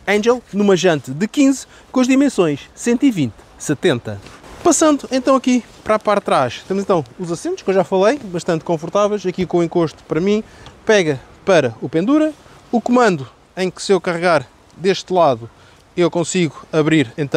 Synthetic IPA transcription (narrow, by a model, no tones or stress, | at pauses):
ɐ̃ʒɛlˠnumɐʒɐ̃nt̪ðɨkĩz | kõɐʒðimẽsõj̃ʃsẽnt̪ivĩnt̪ | sɨt̪ẽnt̪ɐpɐsɐ̃nd̪uẽnt̪ɐ̃w̃ɐki | pɾapaɾt̪ɾaʃt̪emzẽt̪ɐ̃w̃uzɐsẽnt̪uʃkewʒafɐlˠejbɐʃt̪ɐ̃nt̪̚kõfuɾt̪avɛjʃɐkikõũẽŋkoʃt̪u̥pɐɾɐmĩpɛɣɐpɐɾɐupẽnd̪uɾɐ | ukumɐ̃nd̪u | ɐ̃j̃kɨ̥sewkɐʁɨɣaɾ | d̪eʃt̪lˠaðu | ewkõsiɣuɐβɾiɾẽnt̪